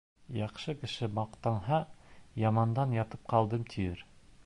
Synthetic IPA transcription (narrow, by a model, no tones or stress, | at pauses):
jɑqʃɤkɘ̆ʃɘmɑqt̪ɑɴɦɑjɑmɑnd̪ɑnjɑt̪ɤp̚qɑlˠd̪ɤmt̪ʰijɘɾ